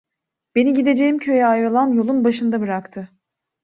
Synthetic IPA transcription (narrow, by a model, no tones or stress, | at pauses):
b̥e̞niɟid̪e̞d͡ʒe̞jimcʰø̞jɛajɾɯlˠanjo̞lˠunbaʃɯnd̪abɯɾakt̪ʰɯ